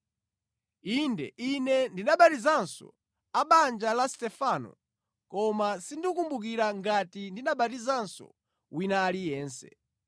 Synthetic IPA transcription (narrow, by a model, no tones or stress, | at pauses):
indɛ̰ʔinɛndinaɓatizansɔ̰ | aɓand͡ʒalastɛfanɔ̰ | kɔmasindiukumbuk̬iɾaŋɡatindinaɓatizansɔ̰ | winaːlijɛːnsɛ̰